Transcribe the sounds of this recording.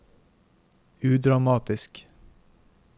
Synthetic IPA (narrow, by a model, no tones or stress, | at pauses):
ʉːd̪ɾɑmɑːt̪ɪsk